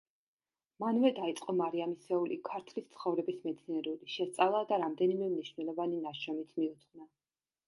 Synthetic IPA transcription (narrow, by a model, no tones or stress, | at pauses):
manvɛd̪ait̪sʼqʼɔmaɾiamisɛulḭkʰaɾt̪ʰlist̪sʰχɔvɾɛbismɛt̪sʰniɛɾuliʃɛst̪sʼalˠad̪aɾamd̪ɛnimɛmniʃvnɛlˠɔvaninaʃɔmit̪ʰmiut̪sʰʼna